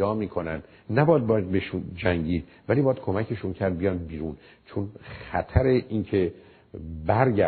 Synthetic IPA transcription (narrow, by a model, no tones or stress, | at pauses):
ɒːmiːkʰo̞nænd̪ | næbɒjæd̪̚b̪beʃund͡ʒæŋɟiːd̪̥ | vælibɒːjæd̪̥̚kʰomækʰeʃuncʰæɾd̪̚bijɒjmd̪̚biːɾun | t͡ʃʰonχæt̪ʰæɾeʔincʰe | bæɾɡæ